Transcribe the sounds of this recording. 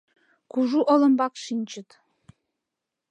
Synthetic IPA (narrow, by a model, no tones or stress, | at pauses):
kuʒuʔolɤ̆mbɑkʃinʲt͡ʃʰʼɪt̪